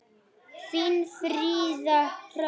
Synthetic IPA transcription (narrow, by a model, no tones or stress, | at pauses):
finfɾizaɾ